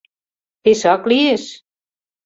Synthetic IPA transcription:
t̪eʃɑklieʃ

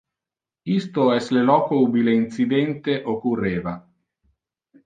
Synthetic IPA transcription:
ist̪oɛslelɔːkoubileint̪sid̪ɛnt̪eʔokurːeːva

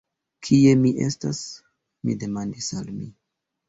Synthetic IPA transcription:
kʰie̞miʔestas | mḭde̞mandisalmi

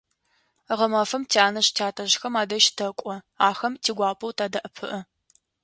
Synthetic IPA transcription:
ʁɐmɐfɐmtʰiaːnɐɕtʰaːtʰɐʑxɐmaːdɐʃtʰɐkʷʼɔ | aːxɐmtʰiːɡʷaːpʼɐwtʰaːdɐʔəpʰɨʔɐ

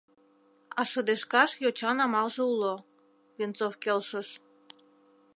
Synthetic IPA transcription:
ɑʃəd̪eʃkɑʃjot͡ɕɑnɑmɑlʒĕulo | βent͡sofkelʃəʃ

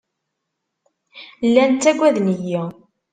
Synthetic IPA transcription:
lːænt̪ːæɡʷːæðnəji

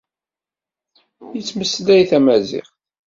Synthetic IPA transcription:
jət͡sːməsːlæjθæmæzḭʁ

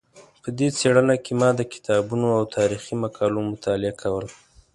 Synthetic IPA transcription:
pəd̪et͡seɽənakemɑd̪əkɪ̥t̪ɑbunoawt̪ʰɑɾiximakʰɑlomʊt̪ʰɑlɪakʰawəl

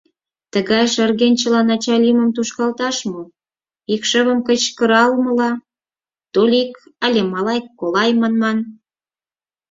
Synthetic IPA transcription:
t̪əɣɑjʃərɣenʲt͡ɕəlɑnɑt͡ɕɑlʲiməmt̪uʃkɑlt̪ɑʃmo | ikʃə̆βə̆mkət͡ɕkə̆ɾɑlmə̆lɑ | t̪olʲikɑlʲemɑlɑjkːolɑjmɑnmɑn

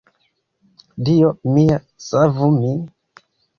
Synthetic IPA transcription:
dijomija | savumi

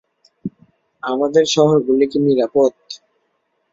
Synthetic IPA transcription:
amad̪eɾʃɔɦoɾɡulikiniɾapot̪

